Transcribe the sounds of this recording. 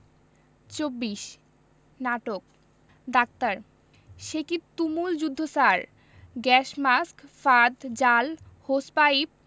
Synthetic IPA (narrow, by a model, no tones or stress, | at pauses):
t͡ɕobːiʃ | naʈok̚ | ɖ̪ak̚t̪aɾ | ʃekit̪umuld͡ʑud̪ʱːosaɾ | ɡɛʃmaskfad̪d͡ʑal | hospaib̚